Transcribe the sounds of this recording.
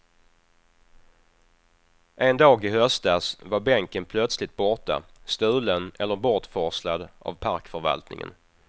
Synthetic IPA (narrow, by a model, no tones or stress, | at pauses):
ʔɛnd̪ɑːɡɪhœst̪asvaɾbɛŋkənpʰlœt̪slɪt̪̚bɔʈa̰ | st̪ʉ̟ːlənɛlːəɾbɔʈfɔslad̪ʔa̰vpʰaɾkfœɾva̰lt̪nɪŋə̰n